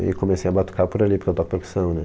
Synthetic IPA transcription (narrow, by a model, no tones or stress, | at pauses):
ḭkomesejɐbat̪u̥kapʊɾalipoɾket̪ɔkpeɾku̥sɐ̃w̃nɛ